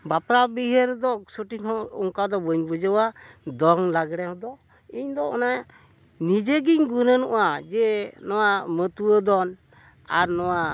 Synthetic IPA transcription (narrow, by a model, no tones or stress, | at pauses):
bapɾabiɦəɾd̪ɔsuʈiŋʰɔɔŋkad̪ɔbəɲbud͡ʒəwad̪ɔŋlaɡɽɛɦɔ̃d̪ɔ | iɲd̪ɔɔna | nid͡ʒeɡiɲɡunənṵʔad͡ʒɛnɔwaʔmət̪uwəd̪ɔn | aɾnɔwa